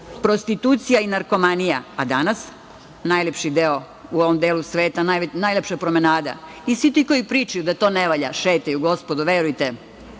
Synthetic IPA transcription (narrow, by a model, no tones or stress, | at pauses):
pɾost̪it̪ut̪sijainaɾko̞manija̰ad̪anas | najlepʃid̪eo | uoʋomd̪eːlusʋeːt̪anajʋnajlepʃapɾomenaːd̪a̰ | isʋit̪iko̞jipɾiːt͡ʃajud̪at̪o̞ːneʋaʎa̰ʃeːt̪ajuɡo̞spod̪uʋeɾujt̪e